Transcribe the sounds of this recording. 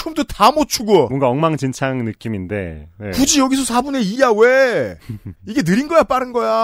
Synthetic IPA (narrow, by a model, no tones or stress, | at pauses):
omdotamot͡ɕʰuɡomʌŋɡaʌŋmaŋd͡ʑint͡ɕʰaŋnɯk͈iminde̞̰nḛkud͡ʑijʌɡisʰʌsʰabune̞ijawe | iɡe̞nɯɾinɡʌjap͈aɾɯnɡʌja